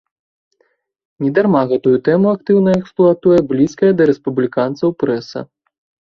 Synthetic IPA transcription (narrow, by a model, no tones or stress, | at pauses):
nʲɛd̪armaɣɛt̪ujut̪ɛmuakt̪ɨwnɐɛksplˠuat̪ujɛblʲiskɐjɛd̪ɐɾɛspublʲikant̪sɐwpɾɛsɐ̰